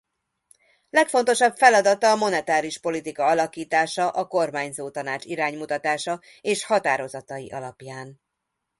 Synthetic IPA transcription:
lɛkfo̞n̪t̪o̞ʃɒbfɛlɒd̪ɒt̪ɒːmo̞nɛt̪aːɾiʃpo̞lit̪ikɒɒlɒkiːt̪aːʃɒʔɒko̞rmaːɲzoːt̪ɒnaːt͡ʃiɾaːɲmut̪ɒt̪aːʃɒ | eːʃhɒt̪aːɾo̞zɒt̪ɒjḭʔɒlɒpjaːn

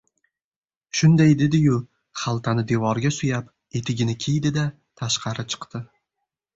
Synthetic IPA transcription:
ʃʊnd̪ajd̪e̞d̪ɪjʊ | χalˠt̪ʰanɪd̪e̞vɒɾɡʲasʊjap | e̞t̪ʰɪɡʲɪnɪkʲʰejd̪ɪd̪a | t̪ʰaʃqʰɑɾɪt͡ʃʰɨ̥qt̪ɪ

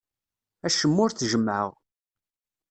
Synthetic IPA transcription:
æʃəmːʊɾθʒəmʕə̰ʁ

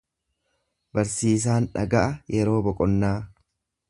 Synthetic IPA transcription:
bɐɾsiːs̬aːnᶑɐɡɐʔɐjɛɾo̞ːbɔkʼɔnːaː

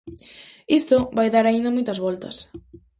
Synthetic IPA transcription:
ist̪oβajðaɾaind̪ɐmojt̪ɐzβɔlt̪ɐs

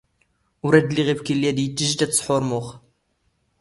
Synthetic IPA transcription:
ʊɾæd̪liʁibkilːiæd̪jət̪ːəʒt̪æt̪sˤħʊɾˤmʊχ

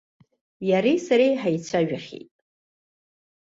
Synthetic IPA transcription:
jaɾisaɾejħajt͡sʷʰaʒᶣaχʲḛjtʼ

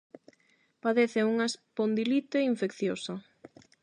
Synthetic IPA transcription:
paðeθɪuŋaespond̪ilit̪eiɱfekθjosa

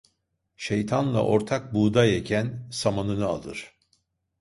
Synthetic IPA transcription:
ʃe̞jt̪ʰanlˠa̰ʔo̞ɾt̪ʰak̚buːd̪ajecʰænsamanɯnɯa̰lˠɯ̰ɾ̥

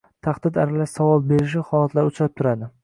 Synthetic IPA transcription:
t̪ʰaχd̪ɪd̪aɾalaʃsavɒlˠbe̞ɾɪʃ̬ɪhɒlˠat̪laɾʊt͡ʃʰɾap̚t̪ʰʊɾad̪ɪ

